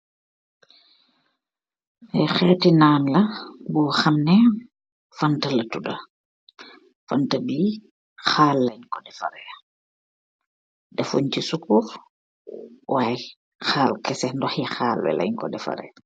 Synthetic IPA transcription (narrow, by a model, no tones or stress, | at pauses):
ɛxɛːtinaːnlɐbuxamnɛ | fantɐlɐtudɐ̰ | fantabi | xaːlːɐɲkɔdɛfa̰ɾɛa | dɛfuɲcisukuf | waj | xaːlkɛsɛndɔxixaːlwɛ̰lʔɐ̰ɲkɔ̰dɛfa̰ɾɛ̰j